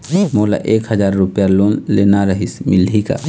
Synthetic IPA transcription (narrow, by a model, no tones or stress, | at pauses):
moːla̰ʔeːkɦəzaːɾːʊpjaloːnleːnaɾəɦismɪlika̰